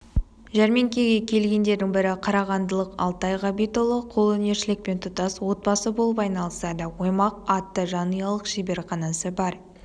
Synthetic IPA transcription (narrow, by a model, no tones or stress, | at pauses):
ʒæɾme̞ŋkʲeɡʲe̞kʲʰe̞lɡʲe̞nd̪e̞ɾd̪ɪŋbɪɾɪqʰɑɾɑʁɑnd̪əlˠəqɑ̰lˠt̪ɑjʁɑbijt̪olˠəqʰo̞lˠɵne̞ɾʃɪlɪk̚pe̞nt̪ʰʊt̪ɑswo̞t̪̚bɑsəbo̞lˠəpɑjnɑlˠəsɑd̪əwo̞jmɑq̚ɑt̪ːəʒɑnijɑlˠəqʃibe̞ɾχɑnɑsəbɑɾ